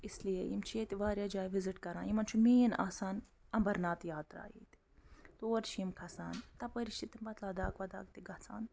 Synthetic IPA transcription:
islijejḭmt͡ʃʰijet̪iʋaːɾjaːd͡ʒaːjʋiziʈkɐɾã̰ːjimɐnt͡ʃʰumeːjɐna̰ːsaːnɐmbɐɾnaːt̪jaːt̪ɾa̰ːjḭːt̪i̥t̪oːɐɾt͡ʃʰiimkʰɐsaːnt̪ɐpɐɾiʃit̪imbɐt̪lɐd̪aːkʋɐd̪a̰ːk̚t̪iɡɐsa̰ːn

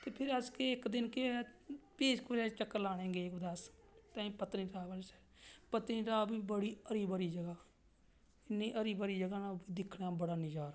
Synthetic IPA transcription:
t̪eːpʰɪɾəskeːɪkd̪ɪnkepeːskəɾeːt͡ʃəkːlaːɽ̃ẽːɡeːɪkd̪əst̪ãːĩːpət̪ɾiːɾaːbəlt͡ʃɛ̥ | pət̪ɾĩːɾaːbiːbəɽiːəɾiːbəɾiːd͡ʒəɡaː | ɪnːĩːʔəɾiːbəɾiːd͡ʒəɡaːnãːbiːd̪ɪkʰɽãːbəɽaːnɪd͡ʒaːɾa

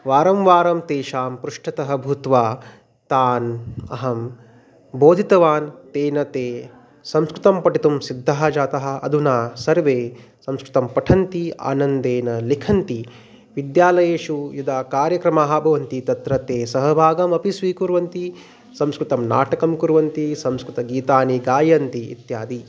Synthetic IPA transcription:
ʋaːɾɐmʋaːɾɐmt̪eːʃaːmpɾuʂʈʰɐt̪ɐɦɐ̆bʱut̪ʋaː | t̪aːnɐ̰ɦɐm | boːd̪ʱit̪ɐʋaːnt̪eːnɐt̪eː | sɐ̃mskɾɪt̪ɐmpɐʈit̪umsid̪ʱːaɦɐd͡ʒaːt̪ɐɦɐ̆ɐd̪ʱunaːsɐɾʋeː | sɐmskɾɪt̪ɐmpɐʈʰɐnt̪ia̰ːnɐnd̪eːnɐlikʰɐnt̪i | ʋid̪jaːlɐjeːʃujud̪ʱaːkaːɾjɐkɾɐmaːɦabʱɐʋɐnt̪it̪ɐt̪ɾɐt̪eːsɐɦɐbʱaːɡɐmɐpisʋiːkuɾʋɐnt̪i | sɐmskɾut̪ɐmna̰ːʈɐkɐmkuɾʋɐnt̪isɐmskɾut̪ɐɡiːt̪aːniɡaːjɐnt̪iḭt̪jaːd̪i

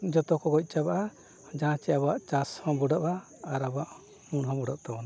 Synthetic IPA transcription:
d͡ʒɔt̪ɔkɔɡɔc̚ˀt͡ʃabaʔa | d͡ʒaãt͡ʃɛabaʔt͡ʃashɔ̃bɔɖaʔba | aɾabaʔ | munɦɔ̃bɔɖaʔ̚t̪abɔna

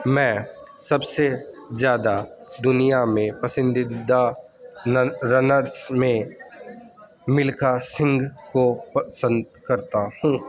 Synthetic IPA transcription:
mɛ̃ː | sɐbsezjaːd̪a | d̪ʊnijamẽpɐsɪ̃nd̪ɪd̪a | ɾənəɾsmẽ | mɪlkasɪ̃ŋɡkopəsə̃nd̪̚kɐɾt̪ahũː

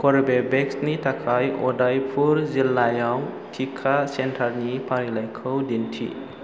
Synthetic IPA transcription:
kʰɔɾbebeksnitakʰajɔdajpʰuɾzilajaw | tʰikʰasentʰaɾnipʰaɾilajkʰɯwdentʰḭ

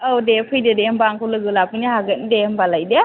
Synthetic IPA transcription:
awdepʰɯjdedembaŋkʰɔlɯɡɯlapʰɯnaɦaɡɯtnidembalajde

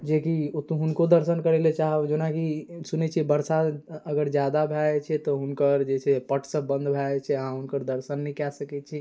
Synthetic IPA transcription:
d͡ʒekiot̪uɦunkod̪əɾsənkəɾelet͡ʃaɦəd͡ʒonakisunɛt͡ʃʰiɛbəɾsaəɡəɾd͡ʒjad̪abʱɛt͡ʃʰɛt̪ɔɦunkəɾd͡ʒet͡ʃʰɛpəʈʰsəːə̃nd̪bʱat͡ʃʰɛəɦãɦunkəɾd̪əɾsənːɛikɛsəkɛt͡ʃʰi

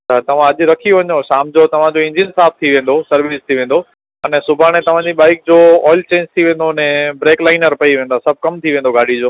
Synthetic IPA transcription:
at̪ɐʋ̤ãɐʄɾɐkʰioʋɐɲoʃaːmd͡ʑot̪ɐʋ̤ãd͡ʑoɪ̃ɲd͡ʑɪnsaːp̚ʰt̪ʰiʋẽːn̆d̪osɐɾʋiːst̪ʰiʋẽːn̆d̪o | ɐnɛsʊbʱaɽ̃et̪ɐʋ̤ãd͡ʑiɓaːɪk̚d͡ʑoːɔːɪlt͡ɕẽːɲd͡ʑt̪ʰiʋẽːn̆d̪oənɛ̃bɾeːklaːɪnəɾpɐiʋẽːnd̪asɐb̚ʱkɐmt̪ʰiʋẽːn̆d̪oɡʱaːɽ̤id͡ʑoː

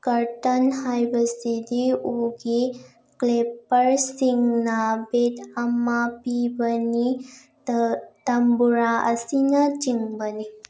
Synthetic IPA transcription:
kɐɾtɐnhajbɐsidiuɡi | klepɐɾsiŋnɐbetɐmɐpibɐni | tɐmbuɾaɐ̰sinɐt͡ʃiŋbɐni

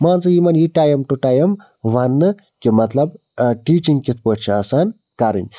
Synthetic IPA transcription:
maːnt͡sɨjimɐnjiʈaːjɐmʈuʈaːjɐm | ʋɐnːɨ | kimɐt̪lɐb | ʈiːt͡ʃiŋɡkit̪̚ʰpət͡ʃʰiɐsaːn | kɐɾḭnʲ

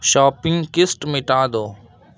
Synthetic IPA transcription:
ʃaːpɪŋkɪsʈmɪʈãːd̪oː

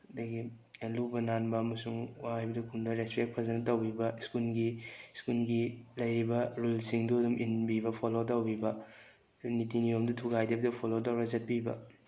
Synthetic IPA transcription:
ɐdɐɡilubɐnanbɐɐmɐsuŋajbɐdɐkʰundɐɾespek̚pʰɐzɐnɐtɐwbibɐskulɡiskulɡilɐjɾibɐɾulsiŋduduminbibɐpʰolotɐwbibɐ | nitinijomdutʰuɡajdɐbɐdɐpʰolotɐwɾɐzɐt̚pibɐ̰

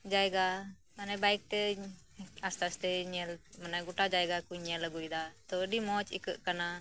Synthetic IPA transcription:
d͡ʒajɡa | anɛbajk̚t̪ɛ | ast̪ast̪ɛɲɛlmanaɡuʈad͡ʒajɡakujɲɛləɡujd̪at̪ɔəɖimɔt͡ʃḭkəʔkana

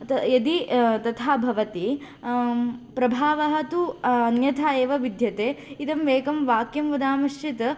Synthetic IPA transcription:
t̪jɐd̪it̪ɐt̪ʰaːbʱɐʋɐt̪i | pɾɐbʱaːʋɐɦɐt̪uɐnjɐt̪ʰaːeːʋɐʋid̪ʱjɐt̪eːit̪ɐmʋeːkɐmʋaːkjɐmʋɐd̪aːmɐʃt͡ʃit̪

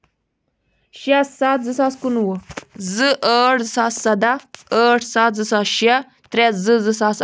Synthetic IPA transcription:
ʃiassat̪zɨsaːskunwəzɨʔəːʈʰzɨsaːssɐd̪aəːʈʰsat̪zɨsaːsʃia | t̪ɾʲɛzɨzɨsaːs

